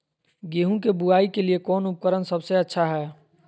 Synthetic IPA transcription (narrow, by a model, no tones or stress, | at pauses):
ɡeːɦũkebuaːikeliekɔːnʊp̚kəɾənsəbseɐtːʃʰaɦɛː